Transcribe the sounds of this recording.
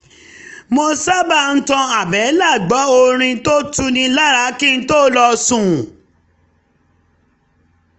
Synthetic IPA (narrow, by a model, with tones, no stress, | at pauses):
mo˧sa˦ba˦˨n̩˦tɔ̃˧a˨bɛ˨˦la˦˨ɡ͡bɔ˨˦o˧ɾ̃ĩ˧to˦tu˦nĩ˧la˦˨ɾa˨˦kĩ˦n̩˦to˦lɔ˧sũ˦˨